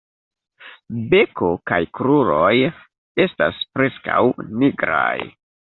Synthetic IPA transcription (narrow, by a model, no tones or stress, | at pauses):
be̞ko̞kajkɾuɾo̞j | e̞staspɾe̞ska̰wniɡɾa̰j